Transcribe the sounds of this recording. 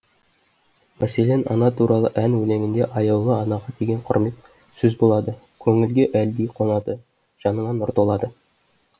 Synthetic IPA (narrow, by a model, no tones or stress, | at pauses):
mæselenɑ̰nɑt̪ʰuɾɑlˠəʔænwɵleŋʲɪnd̪e̞ʔɑjɑllˠəɑnɑʁɑt̪ʰeɡʲe̞ɴqʰʊ̰ɾme̞t̪ | sɵzbolˠɑd̪ə | kʲʰɵŋɪlɡʲeʔæld̪ejqʰonɑd̪ə | ʒ̥ɑnəɴɑnʊɾt̪olˠɑd̪ə